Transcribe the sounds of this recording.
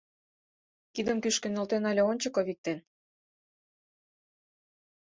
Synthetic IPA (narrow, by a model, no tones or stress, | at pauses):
kid̪ə̆mkyʃkə̆nə̆lt̪enɑlʲeonʲt͡ɕə̆koβik̚t̪en